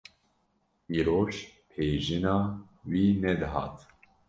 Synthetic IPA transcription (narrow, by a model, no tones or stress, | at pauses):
iːɾoːʃpʰeːʒɨnɑːwiːnɛd̪ɨɦɑ̰ːt̪